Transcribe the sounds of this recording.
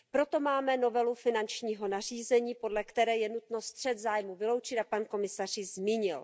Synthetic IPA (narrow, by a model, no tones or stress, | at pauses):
pɾo̞t̪o̞maːmɛno̞vɛlufɪnant͡ʃɲiːɦo̞nar̝iːzɛɲiːpo̞dlɛkt̪ɛɾɛːjɛnut̪no̞st̪r̥ɛd̪zaːjmuvɪlo̞wt͡ʃɪt̪apanko̞mɪsar̝ɪzmiːɲɪl